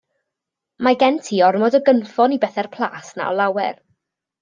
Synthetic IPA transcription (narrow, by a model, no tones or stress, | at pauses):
maɡɛntʰiːɔrmɔdɔɡənfɔnibɛθɛrpʰlˠa̰ːsna̰ɔlˠawɛ̰r